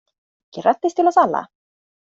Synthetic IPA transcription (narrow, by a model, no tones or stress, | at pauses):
cɪrat̪ːɪst̪ʰɪlaθalːa̰